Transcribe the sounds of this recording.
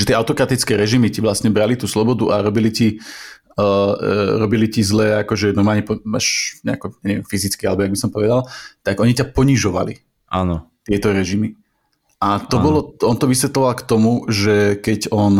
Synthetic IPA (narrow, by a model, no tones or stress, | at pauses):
ʒɛt̪ɪɛaʊt̪ɔkɾat̪it͡skɛːɾɛʒimiciʋlastɲɛbɾalit̪uːslɔbɔd̪uʔaɾɔbilici | ɾɔbilicizlɛːakɔʒɛnɔɾmaːlɲɛpɔaʃɲɛakɔɲɛɲɛʋɛmfizit͡skialɛbɔjaɡbisɔmpɔʋɛd̪alt̪aɡɔɲicapɔɲiʒɔʋa̰lḭ | ʔanɔ | t̪ɪɛt̪ɔɾɛʒimi | ʔat̪ɔbɔlɔɔnt̪ɔʋisʋɛt̪lɔʋalkt̪ɔmuʒɛkɛɟɔn